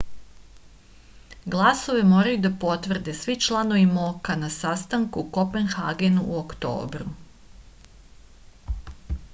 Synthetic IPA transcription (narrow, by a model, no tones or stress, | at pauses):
ɡlˠaso̞ʋe̞mo̞ːɾajud̪apo̞t̪ʋr̩d̪e̞sʋit͡ʃlˠano̞ʋimokanasast̪aŋkuko̞penxaːɡenuʔuokt̪o̰ːbɾu